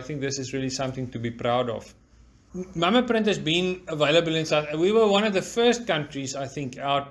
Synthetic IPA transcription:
ɪθɪ̃ŋk̚ðɪsɪzɹiəlisãmθɪ̃ŋtubipɹaʊdɔ̰v̥ | maməpɹɪ̃nthɨzbĩnəveɪləbəlɪ̃nsawiwəwãnɔvðəfɜːst̚kãntɹizaɪθɪ̃ŋkʰaʊt̚

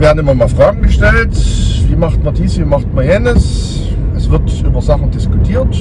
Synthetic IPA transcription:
miehnɪmɐmɑfʁɑːɡŋ̩ɡəʃtæltviːmɑχtmɐdiːsviːmɑχtmɐjenəs | əsv̥ətyːbɐzɑχəndiskutʰiːɐt

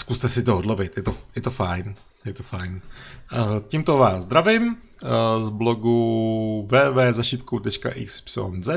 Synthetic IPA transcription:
skust̪ɛsɪt̪oodlovɪt̪jɛt̪ojɛt̪ofajn | jɛt̪ofajn | cimt̪ovaːzzd̪ɾavim | zbloɡuvɛːvɛːzaʃipkut̪ɛt͡ʃka̰ʔikspso̰nzɛt̪

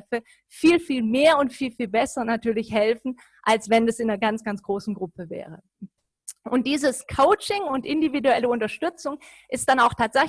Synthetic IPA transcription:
fə | fiːlfiːlmeːɐʊntfiːlfiːlbɛsɐnatyːɐlɪçhɛlfn̩ | ʔalsv̥ɛnɛsɪnɐɡant͡sɡ̥ant͡sɡ̥ʁoːsn̩ɡʁʊpəvɛ̰ːʁ̞ə | ʔʊnt̚d̥iːzəskʰoʊt͡ʃɪŋʊntʔɪndividuɛləʊntɐʃtʏt͡sʊŋ | ʔɪst̚d̥anaʊxtʰaːtz̥ɛç

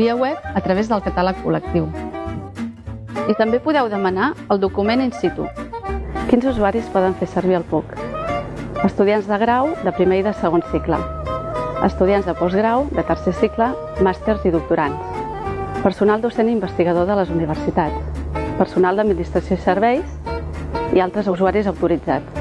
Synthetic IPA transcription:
biəwɛp̚ət̪ɾəβ̞ezðəlˠkət̪aləkːṵlək̚t̪iw | it̪əmbepuðɛwðəmənaəlˠd̪ukumeninsit̪ṵ | kinzuzuaɾispɔð̞əɱfesəɾβiəlˠpuk | əst̪uð̞ianzðəɣɾawd̪əpɾimeiðəsəɣ̞onsiklə̰ | ə̰st̪uðianzðəpɔzɣɾawd̪ət̪ərsesiklə | mast̪eɾziðuk̚t̪uɾans | pəɾsunalˠd̪usenimbəst̪iɣəðoðələzuniβ̞ərsit̪at͡spərsunalˠd̪əd̪minist̪ɾəsjoisəɾβɛjs | ialˠt̪ɾəzuzuaɾizəwt̪uɾid͡zat̪

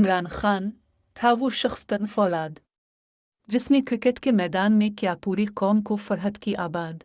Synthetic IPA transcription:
ɪmɾaːnxaːn | t̪ʰaːʋuʃɐxst̪ɐnfɔːlaːd̪ | d͡ʒɪsnekɾɪkəʈkemɛːd̪aːnmẽkjaːpuːɾekɔːmkofɐɾɦət̪kiʔaːbaːd̪

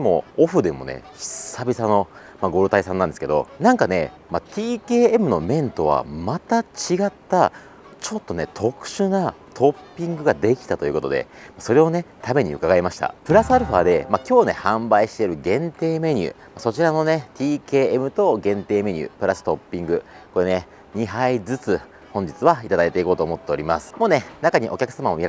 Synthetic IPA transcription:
imo̞̰oɸɯ̟d̪e̞mo̞̰ne̞̰̥ | sabʲisano̞ | maɡo̞ːɾɯ̟t̪aisãnːand̪esɨ̥ked̪o̞̰nãŋkane̞̰ | mat̪ʲiːke̞ːemɯ̟no̞mẽ̞nt̪o̞β̞a̰mat̪at͡ɕiɡat̪ːa | t͡ɕo̞t̪ːo̞ne̞t̪ʰo̞kɯ̟̥ɕɨnat̪ʰo̞pʲːĩŋɡɯ̟ɡad̪e̞kʲi̥t̪at̪o̞jɯ̟ko̞t̪o̞d̪ḛmaso̞ɾe̞o̞ne̞t̪ʰame̞ɲ̟ḭɯ̟kaɡaimaɕi̥t̪a̰pɯ̟ɾasɨaɾɯ̟ɸa̰d̪e̞makʲo̞ːne̞hãmbaiɕi̥t̪e̞ɾɯ̟ɡẽ̞nt̪e̞ːme̞ɲ̟ɯ̰ːmaso̞t͡ɕiɾano̞ne̞t̪ʲiːke̞ːmɯ̟t̪o̞ɡẽ̞nt̪e̞ːme̞ɲ̟ɯ̰ːpɯ̟ɾasɨ̥t̪opʲːĩŋɡɯ̟ko̞ene | ɲ̟iɦaid͡zɨt͡sɨ | hõ̞ɲ̟d͡ʑit͡sɨβait̪ad̪ait̪e̞iko̞ːt̪o̞ːmo̞t̪ːe̞oɾʲima̰sɨ̥mo̞ːne̞nakaɲ̟iʔo̞̰kʲakɯ̟samamomʲiɾ

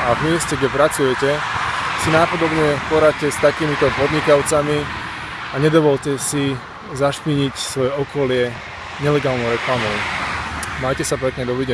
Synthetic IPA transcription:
avmɪɛscɛɡɟɛpɾat͡sujɛcɛsinapɔd̪ɔbɲɛpɔɾacɛst̪akiːmit̪ɔpɔd̪ɲikaʊt͡sami | aɲɛd̪ɔʋɔlcɛsi | zaʃpiɲicsʋɔjɛɔkɔlɪɛ | ɲɛlɛɡaːlnɔʊɾɛklamɔʊ | maːcɛsapɾɛkɲɛd̪ɔʋiɟɛ

